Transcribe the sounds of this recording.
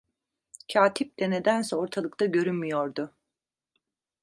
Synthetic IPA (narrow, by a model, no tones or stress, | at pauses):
cʰaːt̪ʰip̚lɛne̞d̪ænsɛoɾt̪ʰalˠɯk̚t̪aɟø̞ɾynmyjoɾd̪ʊ